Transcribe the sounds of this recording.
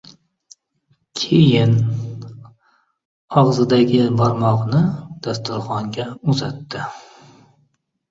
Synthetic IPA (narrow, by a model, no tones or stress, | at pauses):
kʲʰejɪn | ɒʁzɪd̪aɡʲɪbɒɾmɒʁnɪd̪̥ast̪ʊɾχɒŋɡʲaʊzat̪ːɪ